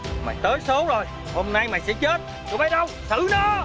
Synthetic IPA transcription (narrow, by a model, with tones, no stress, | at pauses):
ma̰ː˨˩jt̪əː˨˦jso˨˦wzo˨˩j | ho˧mna˧jma˨˩jsɛ̰˧˥t͡ɕe˦˥t̚ | ko˧˦ɓə˨˦jɗə˧wsɨ̰˧˥nɔː˨˦